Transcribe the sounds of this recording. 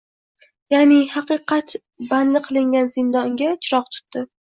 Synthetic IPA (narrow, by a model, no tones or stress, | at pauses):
janɪhɑqɨqʰɑt̪ | band̪ɪqʰɨlˠɪŋɡʲanzɪnd̪ɒŋɡʲat͡ʃʰɪɾɒqt̪ʰʊ̥t̪ːɪ